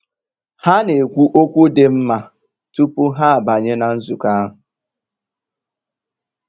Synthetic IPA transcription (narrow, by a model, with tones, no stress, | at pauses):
ha˦ne˨kʷu˦ʔo˦kʷu˦de˨m̩˦ma˨ | tu˦pu˦ɦa˦a˨ba˨ɲe˦na˨n̩˦zu˨ka˦ɦʊ˨